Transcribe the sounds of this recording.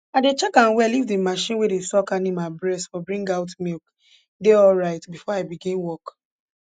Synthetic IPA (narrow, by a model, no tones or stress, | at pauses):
aɪdet͡ʃɛkãnwɛlifdimaʃĩnwedesɔkãnĩmabɹɛstfɔbɹĩŋɡaʊtmilk | deɔlɹaɪtbifɔaɪbiɡĩnwɔk